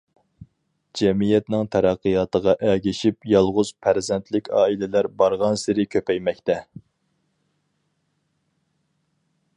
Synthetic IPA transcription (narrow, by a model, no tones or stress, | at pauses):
d͡ʒɛmijɛt̪nɪŋt̪ʰɛɾɑqːəjɑːt̪əʁɑʔɛɡʲiʃipjɑlˠʁʊz̥pʰæɾzɛnt̪ʰlɪkʲɑːilɪlæɾbɑɾʁɑnsɪɾɪkʲʰøpɛjmɛkʲt̪ɛ